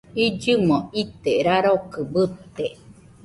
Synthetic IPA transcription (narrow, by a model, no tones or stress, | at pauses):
id͡ʒɨmõit̪eɾaɾokɯbɨt̪ːe